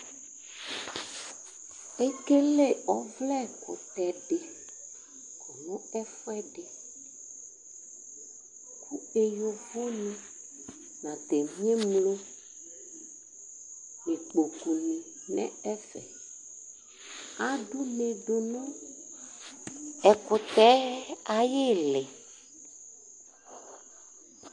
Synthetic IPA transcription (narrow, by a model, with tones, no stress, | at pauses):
e˦ke˦le˦˨ɔ˨vlɛ˦˨kʰo˨t̪ɛ˨ɖe˨ | kɔ˨nɔ̃˦ɛ˦fɔ˦ɛ˦ɖe˨ | kʰu˦e˨jo˦vo˦nĩ˦ | nã˨t̪e˨mĩ˦ẽ˦mlo˦ | nĩ˨k͡po˨ku˨nĩ˨ | nɛ̰̃˦ɛ˦fɛ̰˨ | a˦ɖu˦mẽ˨ɖo˨nɔ̃˦ | ɛ˨kʊ˨t̪ɛ˦a˨je˦le˨